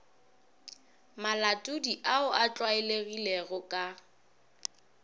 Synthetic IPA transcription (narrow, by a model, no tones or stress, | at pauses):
malatʼudiʔaʊʔat͡ɬʼwaɪleɣileɣʊkʼa